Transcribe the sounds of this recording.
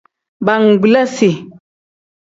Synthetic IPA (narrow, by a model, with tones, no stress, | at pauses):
ba˨ŋ̩˨ɡ͡bla˦si˨